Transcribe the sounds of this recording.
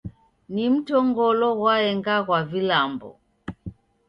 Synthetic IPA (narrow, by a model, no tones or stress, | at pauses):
nim̩tɔŋɡɔlɔɣwaɛŋɡaɣwavilambɔ̰